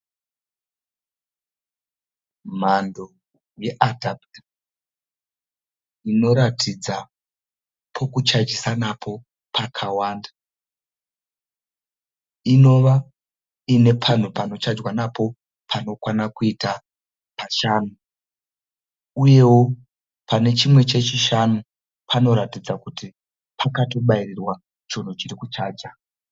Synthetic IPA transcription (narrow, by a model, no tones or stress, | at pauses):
m̤ando̞ | je̞ʔadʱapta | ino̞ɾatʰid͡za | pʰo̞kut͡ʃad͡ʒisanapʰo̞ | pʰakʰawaːnda | ino̞ʋa | ine̞pʰan̤upano̞t͡ʃad͡ʒwanapo̞ | pʰano̞kwanakuita | paʃaːnu | uje̞wo̞ | pane̞t͡ʃimwe̞t͡ʃe̞t͡ʃiʃanu | pʰano̞ɾatid͡zakuti | pʰakato̞ɓairirwa | t͡ʃon̤ut͡ʃirikut͡ʃaːd͡ʒa